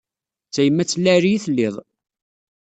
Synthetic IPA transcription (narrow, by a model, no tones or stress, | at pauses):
t͡sːæjəmːæt͡sːlːæɾijiθəlːɪðˤ